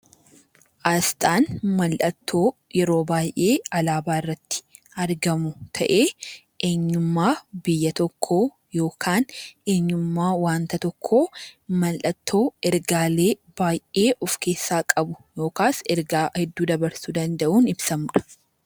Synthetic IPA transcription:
ʔɐst̪ʼaːnmɐlʔɐt̪ʰːo̞ːjɛɾo̞ːbaːjʔe̞ːɐlaːbaːɪrːɐt̪ːɪ̥ | ɐɾɡɐmʊt̪ʰɐ̰ʔe̞ː | ʔeːɲːʊmːaːbɪjːɐt̪ɔkʰːoː | jo̞ːkʰaːnʔe̞ːɲːʊmːaːwaːnt̪ɐt̪ɔkʰːoːmɐlʔɐt̪ʰːo̞ːɛɾɡaːle̞ːb̥aːjʔe̞ːʔɔfkʰe̞ːsːaːkʼɐbʊjo̞ːkaːsɛɾɡaːhɛd̪ːuːd̪ɐbɐɾsʊd̪ɐnd̪ɐʔuːnɪbsɐmᶑɐ̥

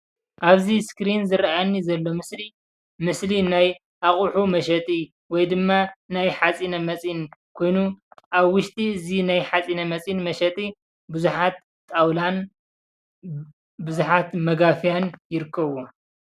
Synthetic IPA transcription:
ʔaβziskɾinzɨɾajnːizɐlːo̞mɨsli | mɨslinaj | ʔaχʼuħumɐʃɐt̪ʼi | wɔjd̪ɨmːanajħat͡sʼinɐmɐt͡sʼinkʰo̞jnuʔaβwʊʃt̪ʼiɨzinajħat͡sʼinɐmɐt͡sʼinmɐʃɐt̪ʼi | bɨzuħat̪̚ːʼ | awlan | bɨzuħat̪mɐɡafijanjɪɾɨkːɐβo

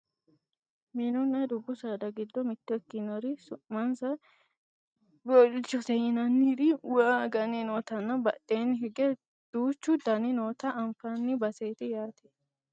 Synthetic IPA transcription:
miːnʊnːɐd̪ʊbːʊsaːd̪ɐɡɪd̪ːɔmɪt̪ːɛkːɪnɔɾɪsʊʔmɐnsɐ | bɔlt͡ʃːɔsɛhɪnɐnːɪd̪ɪwaɡɐninoːt̪ɐnːɐbɐ̰t̪ʼːeːnːɪɦɛɡɛ | d̪̥uːt͡ʃːʊd̪ɐnɪnoːt̪ɐʔɐmfɐnːɪbɐseːt̪ɪjaːt̪ʰe̥

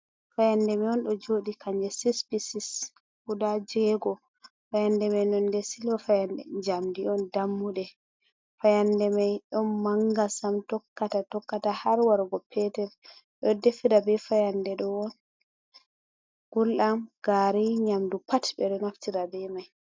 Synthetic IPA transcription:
fajandɛmiɔnɗɔd͡ʒoɗikaɲd͡ʒɛsispisis | kudad͡ʒɛɡɔ | fajandɛmajnɔndɛsilwafajandɛ̰d͡ʒamdiɔndamːuɗɛ | fajandɛmajɗɔnmaŋɡasamtɔkːatatɔkːatahaɾwaɾɡɔpʰɛtɛɾ | ɗɔdefiɾabɛfajandɛɗɔwɔn | ɡ̥ulamɡ̥aɾiɲamdupatbɛɗɔnaftiɾabɛmaj

